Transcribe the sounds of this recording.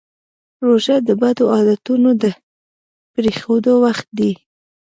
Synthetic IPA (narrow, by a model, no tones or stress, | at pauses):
ɾoʒad̪əbad̪oʔɑd̪at̪unod̪ə | pɾexod̪owaxt̪̚d̪i